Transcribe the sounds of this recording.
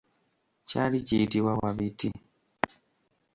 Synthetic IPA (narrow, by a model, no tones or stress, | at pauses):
calicitiwawaβiti